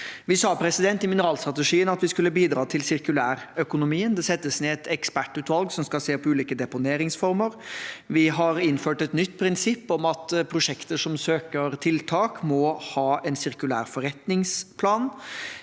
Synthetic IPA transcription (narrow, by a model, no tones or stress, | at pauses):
ʋɪsɑːpʰɾɛsɪd̪ɛnt̪ɪmɪnəɾɑːlst̪ɾɑt̪əʂiːənɑt̪ʋɪskʉlːəbiːd̪ɾɑːt̪ʰɪlsɪɾkʉlæːɾœkʊnʊmiːənd̪ɛsɛt̪ːəsneːɛt̪ʰɛkspæʈːʉːt̪ʋɑlɡsɔmskɑlseːpʰɔʉːliːkəd̪ɛpʊneːɾɪŋsfɔɾməɾʋɪɦɑɾɪnføːʈɛt̪nʏt̪ːpʰɾɪnsɪpːɔmɑt̪pʰɾʊʂɛkt̪əʂɔmsøːkəɾt̪ʰɪlt̪ʰɑːkmɔhɑːʔɛnsɪɾkʉlæ̰ːɾfɔɾɛt̪nɪŋspʰlɑːn